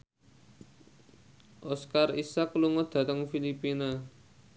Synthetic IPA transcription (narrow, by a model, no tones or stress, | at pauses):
ʔɔskarisakəluŋɔd̪̥ä̤t̪əŋfilipina